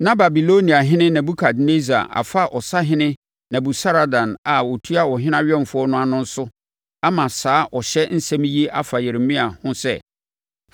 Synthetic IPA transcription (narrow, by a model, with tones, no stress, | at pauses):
nã˦ba˨bi˨lo˦nĩ˨a˨ɦɪ̃˦nɪ̃˦nã˨bu˦kʰa˨dne˦zi˨a̰˨ʔa̰˨fa˦ʔɔ˨sa˦ɦɪ̃˦nɪ̃˦ | nã˨bu˨sa˦ɾa˨dã˨na˨wɔ˨tʰu˦a˦wɔ˨ɦɪ̃˦nã˦ɥɛ˦˨m˨fʊ˦ɔ˦nʊ̃˦a˨nʊ̃˦n̩˦sʊ˦ | a˦mã˨saː˨˦ʔɔ˨ɕɛ˦n̩˦sɛ̃˦m˦je˦ʔa˦fa˨je˨ɾɪ˨mĩ˦a˨hʊ̃˦sɛ̰˦